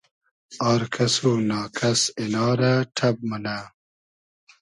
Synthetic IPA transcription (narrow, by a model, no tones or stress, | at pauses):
aːɾkʰɐsoːnɑːkʰɐsenɑːɾaʈʰɐb̚mɐna